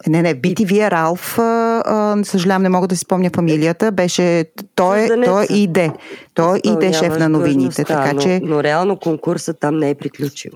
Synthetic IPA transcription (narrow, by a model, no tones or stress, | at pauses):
nɛnɛbit̪iviɛɾalˠfəəsəʒɐlʲavəmnɛmɔɡəd̪ɐsi̥spɔmnʲəfɐmilijət̪əbɛʃɛt̪ɔɛɔjʔid̪ɛt̪ɔʔid̪ɛʃɛfnɐnovinit̪ɛt̪kant͡ʃɛnoɾɛalˠnokoŋkuɾsət̪amnɛɛpɾiklʲut͡ʃḭvo